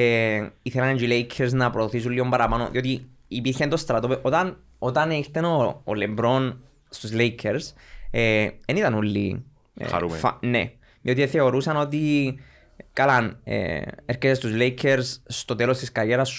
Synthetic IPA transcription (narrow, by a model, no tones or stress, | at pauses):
eiθelɐnɟilejkʰːeɾznɐpɾoðoθisulːio̞mbɐɾɐpanoðiot̪i | ipiɾçent̪ost̪ɾɐt̪opeʔo̞t̪ɐn | ot̪ɐneiçt̪enoːlembɾo̞n | st̪uzlejkʰeɾseenit̪ɐnulːḭ | ɾṵfnḛ | ðio̞t̪ieθe̞o̞ɾusɐno̞t̪i | kalanḛeɾket̪est̪uzlejkʰːeɾsst̪o̞t̪elost̪iskɐɾʝeɾɐsː